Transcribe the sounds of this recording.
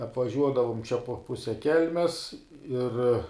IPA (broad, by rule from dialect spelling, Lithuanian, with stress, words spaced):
ɐpʋɐˈʒʲuɔdɐʋʊm t͡ʃʲɛ poː ˈpʊsʲɛ ˈkʲɛlʲmʲɛs ˈɪr